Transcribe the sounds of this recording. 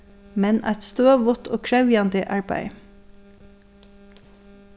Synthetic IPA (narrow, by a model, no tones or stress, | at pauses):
mɛnʔæ̰ɪt̪st̪oːʋʊt̪ʰo̰ːkʰɹæʉjɑnd̪əʔɑɹbæ̰ɪ